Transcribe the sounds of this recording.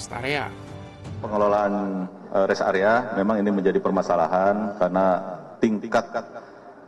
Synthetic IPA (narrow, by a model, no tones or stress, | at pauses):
sa̰ɾea̰ | pəŋəlolaːn | əɾɛsa̰ɾeamemaŋiniməɲd͡ʒadipərmasala̰ɦankaɾnat̪iŋkat̪̚